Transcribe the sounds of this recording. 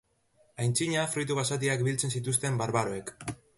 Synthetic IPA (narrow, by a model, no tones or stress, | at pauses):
ajnt͡siɲafɾujt̪uɣasat̪̬iak̚bilt͡se̞nsit̪̬us̬t̪e̞mbaɾβaɾoe̞k